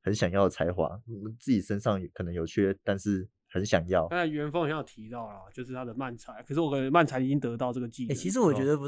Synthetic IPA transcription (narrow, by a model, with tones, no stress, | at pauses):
hə˧˦nɕjɑ˨˩ŋjɑ˥˩ʊ˩t͡sʰa˧˥ɪxwa̰˨˥˦t͡sɹ̩˥˩t͡ɕi˨˩ʂə˦nʂɑ˥˩ŋkʰɤ˨˩nə˧˦ŋjo˨˩ʊt͡ɕʰɥɛ˥˨t̪a˥˧nʂɻ̩˥˩ | hə˧˦nɕjɑ˨˩ŋjɑ˥˨ʊa˥na˥˩ɥɛ˧˥nfɑ˧˥ŋ˨˧˦jɑ˨˩t̪ʰi˧˥t̪ɑ˥˩ʊlə˨˩˨t͡ɕjo˥˧ʊʂɻ̩˥˩t̪ʰa˥d̪ə˨ma˥˨˩nt͡sʰa˧˦nkʰə˨˩ʂ̬ɻ̩˥˩wɔ˦kə˨n˧ə˧˦ma˥˩nt͡sʰa˧˥ni˨˩i˦˥ŋt̪ɤ˧˥t̪ɑ˥˧ʊʈ͡ʂɤ˥˩ɡə˩t͡ɕi˥˧e˨˩t͡ɕʰi˧˥ʂɻ̩˧˥wɔ˨˩t͡ɕɥɛ˧˥d̪ə˧pu˧